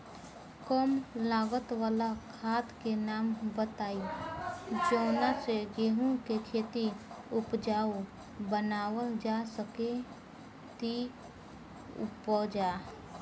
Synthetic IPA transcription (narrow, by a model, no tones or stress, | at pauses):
kɔmlaːɡət̪waːlakʰaːt̪kenaːmbət̪aːi | d͡ʒoːnaseɡeːɦũkekʰeːt̪iʊpd͡ʒaːo | bənaːwəld͡ʒasəke | t̪i | pɔːd͡ʒaː